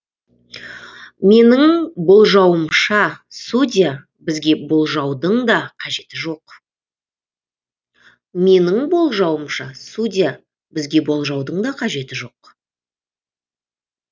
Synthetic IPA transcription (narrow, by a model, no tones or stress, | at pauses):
me̞nɪŋbo̞lˠʒɑwəmʃɑsudʲija | bɪzɡʲe̞bo̞lˠʒɑwd̪əɴd̪ɑqʰɑʒe̞t̪ɪʒo̞q | me̞nɪŋbo̞lˠʒɑwəmʃɑsudʲija | bɪzɡʲe̞bo̞lˠʒɑwd̪əɴd̪ɑqʰɑʒe̞t̪ɪʒo̞q